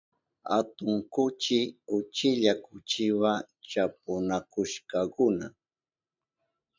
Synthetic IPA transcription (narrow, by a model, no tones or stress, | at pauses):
a̰t̪ʊŋkʊt͡ʃɪʊt͡ʃɪʎakʊt͡ʃɪwa | t͡ʃap̚ʊnakʊʃkɑkʊna